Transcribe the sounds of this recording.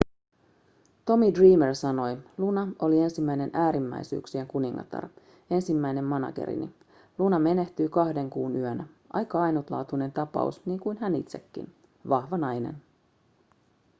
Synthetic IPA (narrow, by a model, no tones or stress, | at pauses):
t̪o̞midriːmersɑno̞jlunɑo̞lie̞nsimːæjne̞nʔæːɾimːæ̰jsy̰ːksie̞ŋkuniŋːɑ̰t̪ɑ̰r | e̞nsimːæjne̞mːɑnɑ̰kḛɾḭnḭ | lunɑme̞ne̞ht̪yːkɑhde̞ŋkuːnyønæ | ʔɑ̰jkɑɑjnut̪lɑ̰ːt̪une̞nt̪ɑpɑ̰ṵsniːŋkujnɦænḭt̪se̞kːḭn | ʋɑhʋɑnɑjne̞̰n